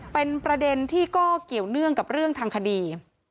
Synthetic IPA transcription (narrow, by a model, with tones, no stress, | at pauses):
pe˧npɾa˧de˧nt̪ʰiː˥˩kɔː˥˩ki˨˩əwnɯ˥˩əŋka˨˩p̚ɾɯ˥˩əŋt̪ʰaː˧ŋkʰa˧diː˧